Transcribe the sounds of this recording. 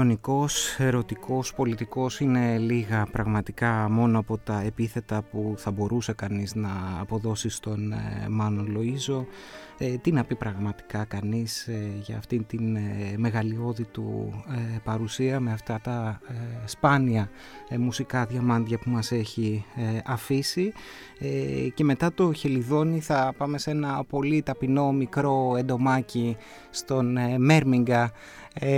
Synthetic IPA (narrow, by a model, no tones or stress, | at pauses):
oniko̞se̞ɾo̞t̪iko̞spo̞lit̪iko̞sine̞liɣɐpɾɐɣmɐt̪ikɐmo̞noɐpo̞t̪ɐe̞piθe̞t̪ɐpuθɐbo̞ɾʔuse̞kɐniznɐːpo̞ðo̞sist̪o̞n̰mɐnolo̞izo̞ | et̪inɐpipɾɐɣmɐt̪i̥kɐkɐnisʝɐːft̪int̪inme̞ɣɐlio̞ðit̪ṵepɐɾusiɐmeɐft̪ɐt̪ɐ | spɐniɐ | musikɐðʝɐmɐnd̪ʝɐpumɐse̞çieɐfisi | ece̞me̞t̪ɐt̪o̞çe̞liðo̞niθɐpɐme̞se̞nɐpo̞lit̪ɐpino̞mikɾo̞e̞nd̪o̞mɐci | st̪o̞nme̞ɾmiŋɡɐ